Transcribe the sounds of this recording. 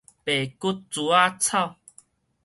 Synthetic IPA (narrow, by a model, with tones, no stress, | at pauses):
pe˨˩ku˦t̚t͡su˨˦a˦t͡sʰa˥˧˨w